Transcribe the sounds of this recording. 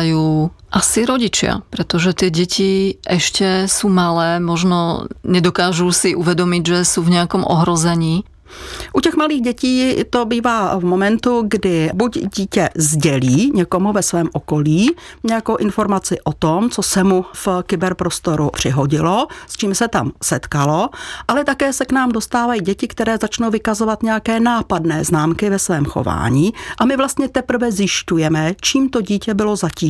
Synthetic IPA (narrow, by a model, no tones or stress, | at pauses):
juːʔasiɾɔɟit͡ʃɪa̰pɾɛt̪ɔʒɛt̪ɪɛɟɛcʰiʔɛʃcɛsuːmalɛːmɔʒnɔɲɛd̪ɔkaːʒusiʔuʋɛd̪ɔmiɟʒɛsuːvɲɛakɔmʔɔ̰ɦɾɔzɛɲiː | ʔucɛɣmaliːɣɟɛciːt̪obiːvavmomɛnt̪uɡdɪbuɟɟiːcɛzɟɛliːɲɛkomuvɛsʋɛːmʔɔkoliːɲɛjakowʔɪnfo̞ɾmat͡sɪʔot̪omt͡sosɛmufkɪbɛɾpɾo̞st̪o̞ɾupr̝̥ɪɦo̞ɟɪlo̞st͡ʃiːmsɛt̪amsɛt̪kalo̞ʔalɛt̪akɛːsɛknaːmdo̞st̪aːvajiːɟɛcɪkt̪ɛɾɛːzat͡ʃnowvɪkazo̞vat̪ɲɛjakɛːnaːpadnɛːznaːmkɪvɛsvɛːmxo̰va̰ːɲiːʔamɪvlast̪ɲɛt̪ɛpr̩vɛzjɪʃcujɛmɛt͡ʃiːmt̪o̞ɟiːcɛbɪlo̞zaciː